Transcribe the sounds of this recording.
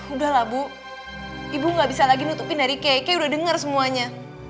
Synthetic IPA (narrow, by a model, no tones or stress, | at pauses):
udahlabu | ibuŋɡabisalaɡinut̪upɪndaɾikaakajaudahdəŋərsəmuaɲa